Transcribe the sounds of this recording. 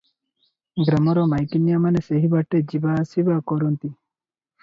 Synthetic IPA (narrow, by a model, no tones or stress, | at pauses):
ɡɾɐmɔɾomajkinjamɐneseɦibaʈːed͡ʒibasibakɔɾunt̪i